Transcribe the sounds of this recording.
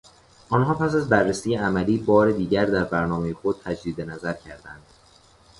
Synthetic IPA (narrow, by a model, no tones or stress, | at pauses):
ʔɒːnɦɒːpʰæsæzbærːesiːjeæmæliːbɒːɾe̞d̪iːɟæɾd̪æɾbæɾnɒːme̞jexod̪̚t̪ʰæd͡ʒd̪iːd̪enæzæɾcʰæɾd̪ænd̪̥